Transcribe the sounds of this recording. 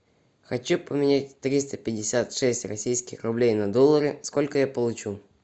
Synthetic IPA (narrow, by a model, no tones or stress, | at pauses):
xɐt͡ɕupəmʲɪnʲat̚ʲt̪ɾʲist̪əpʲɪdʲɪsʲat̪ʂɛsʲtʲrɐsʲijskʲɪxrʊblʲejnɐd̪olˠːəɾɪsko̞lʲkəjapəlˠʊt͡ɕu